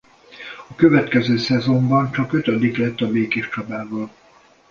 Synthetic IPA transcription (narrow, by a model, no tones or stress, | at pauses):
ɒkøvɛt̪kɛzøːsɛzo̞mbɒnt͡ʃɒkø̞t̪ɒd̪iklɛt̪ːɒbeːkeːʃt͡ʃɒbaːvɒl